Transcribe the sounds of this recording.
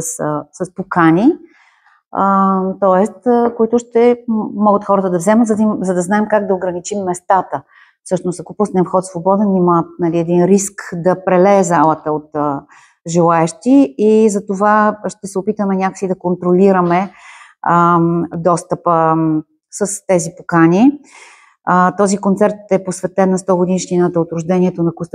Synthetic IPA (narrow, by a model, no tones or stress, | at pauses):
ssəspokanʲi | ət̪ɔɛst̪koit̪ʊʃt̪ɛmɔɡət̪xɔɾət̪əd̪ɐvzɛmət̪zɐd̪imzɐd̪ɐznaɛmkaɡ̚d̪ɐoɡɾɐnit͡ʃimːɛst̪at̪ə | fsɤʃnost̪ɐkopusnɛnfxɔt̪svobɔd̪ɛnimat̪nɐliɛd̪inɾiskd̪ɐpɾɛlɛːzalˠət̪əot̪ | ʒɛlˠaɛʃt̪iːzɐt̪ovaʃt̪ɛsɛopit̪əmɛnʲaksid̪ɐkont̪ɾoliɾəmɛ | d̪ɔst̪əpə | səst̪ɛzipokani | t̪ɔzikont̪sɛɾt̪ɛposvɛt̪ɛnːɐst̪ɔɡod̪inʃninət̪əot̪ɾʊʒd̪ɛnʲiɛt̪onɐkust̪